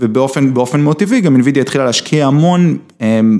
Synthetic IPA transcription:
vebeo̞fenbeo̞fenmot̪iviɡaminvid̪joitχilaleaʃkʰiaːmo̞n | em

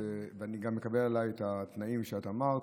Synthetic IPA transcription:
eveaniɡamːekabelalajet̪at̪naimʃeat̪aːmaʁ

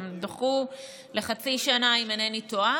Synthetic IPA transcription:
md̪oχu | le̞χat͡siʃanaimanenitoa

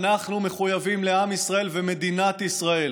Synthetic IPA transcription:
naχnume̞χujavimle̞amisʁae̞lveme̞d̪inat̪isʁae̞l

